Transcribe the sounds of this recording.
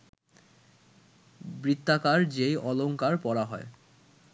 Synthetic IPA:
bɾit̪ːakaɾd͡ʑejɔloŋkaɾpɔɾaɦɔe

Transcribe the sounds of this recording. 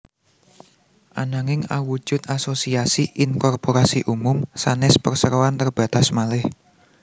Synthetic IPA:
ʔanaŋɪŋa̰wu̥ʒ̥ʊ̤t̪̚asosiasiʔɪnkɔrpoɾasiʔumʊmsanɪspərsəɾoant̪ərb̥ä̤t̪asmalɪh

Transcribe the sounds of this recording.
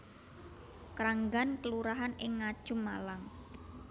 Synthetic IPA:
kɾaŋɡankəluɾaɦanɪŋːad̥ʒ̥ʊ̤mːalaŋ

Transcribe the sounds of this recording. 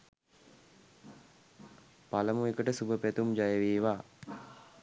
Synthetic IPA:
paləmuekəʈəsubəpæt̪umd͡ʒajəʋiːʋaː

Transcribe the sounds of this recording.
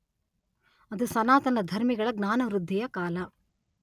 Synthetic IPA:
ɐd̪usɐnaːt̪ɐnɐd̪ʱɐɾmiɡɐɭɐɡnaːnɐʋɾud̪ʱːijɐkaːlɐ

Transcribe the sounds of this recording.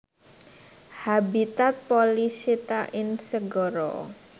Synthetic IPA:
habit̪at̪̚polisit̪aʔɪnsəɡɔɾɔ̰

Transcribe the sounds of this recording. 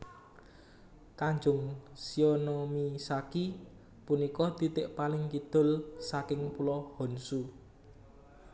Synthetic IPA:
kaɲd͡ʒʊŋsionomisaki | punikɔd̪̥i̤t̪ɪʔpalɪŋkid̪̥ʊ̤lsakɪŋpulɔhɔnsu

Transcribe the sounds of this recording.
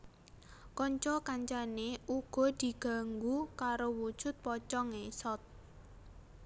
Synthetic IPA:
kɔɲt͡ʃɔkaɲt͡ʃaneuɡ̥ɔ̤d̪̥i̤ɡ̥a̤ŋɡukaɾowud̥ʒ̥ʊ̤t̪̚pɔt͡ʃɔŋesɔt̪̚

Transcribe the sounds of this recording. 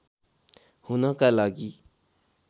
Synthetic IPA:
hunʌkalaɡi

